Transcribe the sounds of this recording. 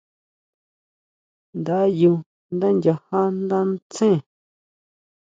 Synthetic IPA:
nd̪a˨˦ju˧ | nd̪ã˦nd͡ʒʲa˧ha˦nd̪ã˦n˦t͡sẽ˦˨

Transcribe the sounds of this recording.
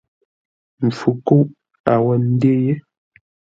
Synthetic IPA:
m̩˨fu˨ko˦ʔ | a˨wɛ˦˨n̩˦de˦je˦

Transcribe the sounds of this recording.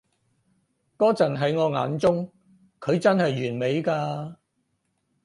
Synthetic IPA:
kɔː˥t͡sɐ˨˩nɦɐ˨˧jŋɔː˨˧ŋa̰ː˨˧nt͡sʊ˥ŋ | kʰɵ˨˧ɥt͡sɐ˥nhɐ˨jːyː˨˩nme˨˧jkaː˧

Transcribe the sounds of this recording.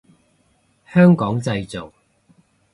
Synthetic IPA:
hœː˥ŋkɔː˨˥ŋt͡sɐ˧jt͡so˨˩w

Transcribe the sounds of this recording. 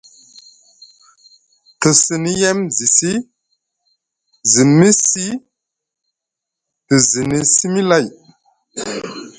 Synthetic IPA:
tə˨si˨ni˦je˦mzi˨si˦ | zi˨mi˦si˦ | tə˨zi˨ni˨si˦mi˦la˦˨j

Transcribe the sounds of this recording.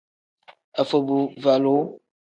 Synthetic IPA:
ə˨fə˨bu˨va˨lo˨˦

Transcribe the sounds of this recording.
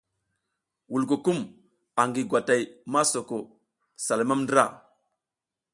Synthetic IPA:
wu˨lk̬o˨ku˦m | a˨ŋɡi˨ɡʷwa˨ta˨jma˦so˨ko˨ | sa˨lo˨ma˦mndɾa̰˦˨

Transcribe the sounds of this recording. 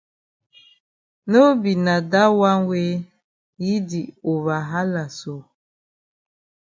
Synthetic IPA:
no˦bi˨na˨da˦wa˦ŋ˦we˦ | ji˦di˨o˨βa˨ɦa˦la˨so˦

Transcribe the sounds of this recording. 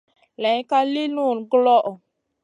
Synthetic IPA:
lɛ˨˦jka˦li˦nu˦˨nɡlɔ˦ʔ

